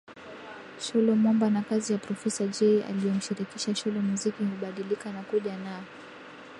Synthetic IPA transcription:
ʃɔlɔmɔmbanakazijapɾɔfɛsad͡ʒɛiʔa̰lijɔm̩ʃiɾikiʃaʃɔlɔmuzikiuɓaɗilikanakuʄana

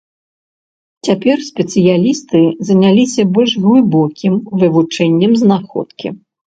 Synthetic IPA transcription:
t͡sʲapʲɛrsʲpʲɛt̪sɨjalʲist̪ɨzɐnʲalʲisʲɐbɔlʲʂɣlˠɨbɔkʲimvɨvut͡ʂɛnʲːɛmznaxɔ̰t̪kʲḭ

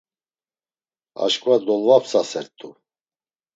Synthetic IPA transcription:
a̰ʃkʼvad̪ɔlvapʰsasɛɾt̪ʼu

